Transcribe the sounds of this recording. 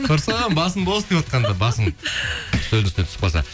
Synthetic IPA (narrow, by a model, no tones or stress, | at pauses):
oɾsɑʁɑnbɑsəmbolˠəsd̪epwot̪qɑnd̪ɑbɑsən̥ʰ | ɵlst̪ep̪t̪ʰʏ̥sp̚qʰolˠsɑ̰